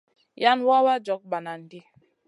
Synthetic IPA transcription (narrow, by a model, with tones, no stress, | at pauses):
ja˦nwa˦wa˦d͡ʒɔ˨˦k̚ba˨na˨n̩˨di˦